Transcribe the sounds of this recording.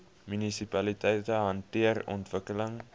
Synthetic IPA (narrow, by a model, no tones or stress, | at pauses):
mynisipɐlitɛjtəɦɐntiərɔ̰ntvəkələŋ